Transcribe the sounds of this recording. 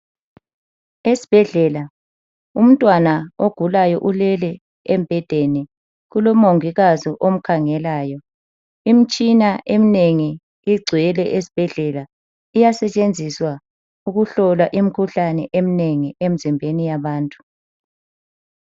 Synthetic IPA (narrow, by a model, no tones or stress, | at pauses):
esi̥b̥ʱɛɮɛːla | um̩tʼwanaoɡ̥ʱulajɔ̰ʔulɛlɛ | emb̥ʱɛd̥ʱeni | ɣulɔmoŋiɣazɔʔom̩kʰaŋɛlaːjɔ | im̩t͡ʃʼinaʔemineŋi | iɡ͡ǀʱiɛlɛʔesi̥b̥ʱɛɮɛla | ijasɛt͡ʃʼend͡zʱiswa | uɣuɬɔlwaʔim̩kʰuɬanɛʔemineŋiem̩zimbʱenijaβaːntʼu̥